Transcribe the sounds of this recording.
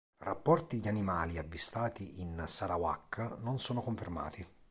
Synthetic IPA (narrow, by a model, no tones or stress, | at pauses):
ra̰pːɔrt̪id̪animaːliavːist̪aːt̪iinsaɾawa̰kːnonsɔːnokoɱferma̰ːt̪i